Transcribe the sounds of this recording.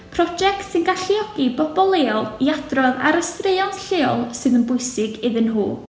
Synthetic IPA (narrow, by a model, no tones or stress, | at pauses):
pʰrɔd͡ʒɛktsɪnɡaɬiɔɡ̥ibɔbɔlˠeːɔlˠiadrɔða̰ɾəstreɨɔntɬeːɔlˠsɨðənbʊɨsɪɡɪðɪnɦṵː